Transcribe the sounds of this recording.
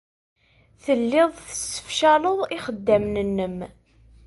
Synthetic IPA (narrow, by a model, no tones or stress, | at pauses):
θəlːɪðˤθəsːə̥fʃæləðˤiχəd̪ːæmnənːəm